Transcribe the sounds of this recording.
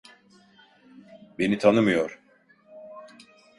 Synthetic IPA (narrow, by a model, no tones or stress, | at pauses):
be̞nit̪ʰanɯmɯjoɾ̥